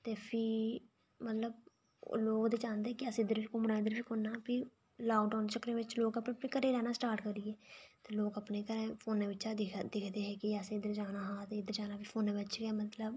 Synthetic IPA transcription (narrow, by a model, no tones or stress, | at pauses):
t̪eːpʰiː | mət̪ləb̰̚ | loːkd̪eːt͡ʃãːnd̪eɛːkəsɪd̪əɾikoːmənãːɪd̪əɾpiːkonːaːpiː | laːkɖaːnt͡ʃəkɾẽːʋɪt͡ʃloːkəpneəpneːkəɾeːɾɛːnaːsʈaːɾʈkəɾiːɛːt̪eːloːkəpneːkəɾẽːpʰoːnẽːʋɪt͡ʃaːd̪ɪkʰd̪eːɦɛːkɪɛsẽɪd̪əɾd͡ʒaːnaːɦãːt̪eːɪd̪əɾd͡ʒaːnaːpʰiːpʰoːnẽːbət͡ʃɡɛːmət̪ləb